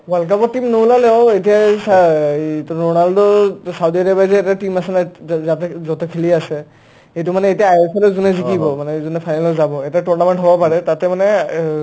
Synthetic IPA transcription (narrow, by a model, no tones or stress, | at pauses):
balk̬abɔtimnolalɛɔetijas | tɔnaldɔsawdiaɾabajzɛɛtatimasɛnazatɛzɔtɛkʰiliasɛ | ejtumanɛetiaːjɔsʰɔlɔzunɛzikibɔmanɛzunɛpʰajnalɔzabɔɛtatɔnamɛnʈɦɔbɔpaɹɛtatɛmanɛ